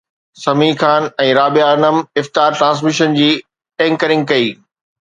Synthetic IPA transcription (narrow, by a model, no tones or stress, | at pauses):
sɐmixʰaːnɛ̃ːɾaːbijaɐnəmɪft̪aːɾʈɾãːs̬mɪʃənd͡ʑiː | ɛ̃ːŋkəɾɪ̃ŋɡkɐiː